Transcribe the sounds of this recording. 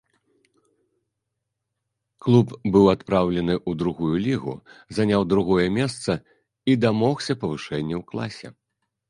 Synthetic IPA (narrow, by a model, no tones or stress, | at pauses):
klˠupbɨwat̪pɾawlʲɐnɨʔud̪ɾuɣujulʲiɣṵzanʲawd̪ɾuɣɔjɛmʲɛst̪sɐ | id̪amɔxsʲɐpɐvɨʂɛnʲːɛwklˠa̰sʲɛ̰